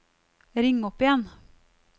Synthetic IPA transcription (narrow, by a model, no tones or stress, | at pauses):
ɾɪŋːɔpɪjɛn